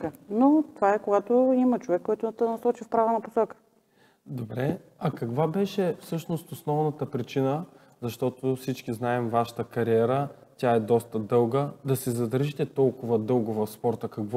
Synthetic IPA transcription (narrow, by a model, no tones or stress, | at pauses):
kənot̪ovaɛkoɡat̪oimɐt͡ʃovɛkːɔjt̪ʊd̪t̪ɛnɐsɔt͡ʃifpɾavɐnɐpo̥sɔkə̥ | d̪obɾɛɐkɐkvabɛʃɛfsɤʃnost̪osnɔvnɐt̪əpɾit͡ʃinə | zɐʃt̪ɔt̪ofsit͡ʃkiznaɛmvaʃə̥t̪əkɐɾiɛɾətʲaɛd̪ɔst̪əd̪ɤlˠɡəd̪ɐsɛzɐd̪əɾʒit̪ɛt̪ɔlˠkʊvəd̪ɤlˠɡʊvɐfspɔɾt̪əkɐkv